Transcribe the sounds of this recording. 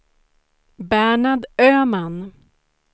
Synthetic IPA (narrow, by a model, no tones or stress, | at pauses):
bæːɳaɖ̪øːman